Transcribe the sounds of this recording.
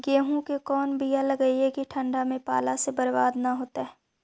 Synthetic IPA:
ɡeːɦũkekɔːnbʱijalɐɡəiɦɛkiʈʰɐ̃ɳɖamẽpa̰ːlasebɐɾbaːd̪naɦoːt̪aɦɛː

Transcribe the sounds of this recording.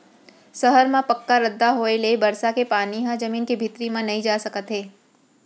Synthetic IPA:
sɐɦəɾmãpɐkːaɾəd̪ːaɦoelebɐɾsakepaːniɦãd͡ʒɐmiːnkebʱɪt̪ɾimãnɐɦĩd͡ʒaːsɐkət̪ɦeː

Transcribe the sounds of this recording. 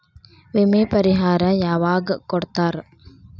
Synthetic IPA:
ʋemeːpɐɾiɦaːɾaːjaʋaːɡəkoɽt̪aːɾə

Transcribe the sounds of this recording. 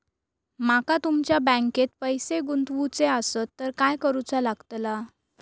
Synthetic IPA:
makat̪umt͡ɕjabə̃ŋket̪̚pəjseɡunt̪ʋut͡seəsət̪ːəɾkajkəɾut͡salaɡt̪la

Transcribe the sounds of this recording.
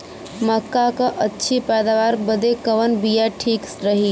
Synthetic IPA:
məkːakəʔətːʃʰipɛːd̪aʋaːɾbəd̪ekəʋənbijaʈʰiːksɾəɦi

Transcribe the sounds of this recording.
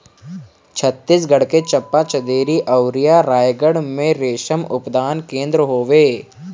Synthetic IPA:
t͡ʃʰət̪ːisɡɐɽket͡ʃɐpːat͡ʃɐd̪eːɾiʔɐʊɾijaɾaːjɡəɽmẽɾeːʃəmʊpd̪aːnkẽːnd̪ɾəɦoːʋeː

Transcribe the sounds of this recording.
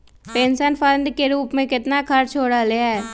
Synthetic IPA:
peːnʃənpʰə̃ɳɖkeɾuːpmẽkɪt̪nakʰɐɾt͡ʃʰoːɽaleɛː

